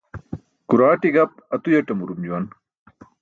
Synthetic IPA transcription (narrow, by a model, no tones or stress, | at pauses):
kuɾaːʈiɡɐp̚ɐt̪ujɐʈɐmuɾumd͡ʑuwɐn